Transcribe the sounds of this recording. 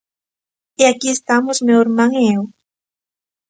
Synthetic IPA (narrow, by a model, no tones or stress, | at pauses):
eakiest̪amozmeoeɾmãŋeew